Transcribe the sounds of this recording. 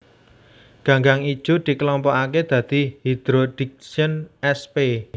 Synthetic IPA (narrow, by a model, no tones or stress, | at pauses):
ɡ̥a̤ŋɡaŋid̥ʒ̥ṳd̪̥i̤klɔmpɔʔaked̪̥ä̤d̪̥i̤hid̪̥ɾod̪̥ik̚sənɛspe